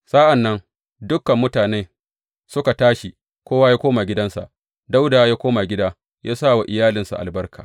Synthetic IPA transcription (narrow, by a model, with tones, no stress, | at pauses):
sa˦ʔa˨nːɐ˦ŋ | dʊ˦kːɐ˨mːʊ˦taː˨neː˦ | sʊ˦ka˨taː˦ʃi˨ | kʷoː˦wa˦jaː˦kʷoː˦ma˨ɡʲɪ˦dɐ˦nsa̰˨ʔ | da˦wdaː˨jaː˦kʷoː˦ma˨ɡʲɪ˦daː˦ | jaː˦sa˦˨wa˨ʔɪ˨jaː˦lɪ˨nsa̰˨ʔa̰˨lbɐ˦rka̰ː˨